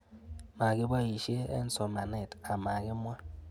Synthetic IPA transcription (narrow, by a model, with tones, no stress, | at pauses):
ma˨ɡi˦ba˦˨i˨ʃe˦ḛ˦n̩˦so˨ma˨ne˨ta˨ma˨ɡi˦mʷ˦a˦